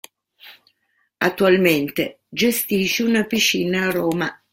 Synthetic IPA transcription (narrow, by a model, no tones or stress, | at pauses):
a̰t̪ːualment̪e | d͡ʒest̪iːʃeunapiʃːiːnaːrɔːma